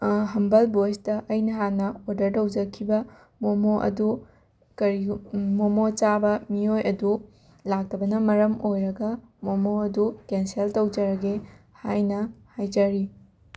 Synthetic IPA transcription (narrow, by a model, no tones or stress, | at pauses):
ɦɐmbɐlbojstɐʔɐjnɐɦanɐoɾdɐɾtɐwd͡ʒɐkʰibɐ | momoʔɐ̰du | kɐɾimomot͡ʃabɐmiojɐdu | lak̚tʰɐbɐnɐmɐɾɐmojɾɐɡɐ | momoɐdukenseltɐwd͡ʒɐɾɐɡehajnɐhajd͡ʒɐɾi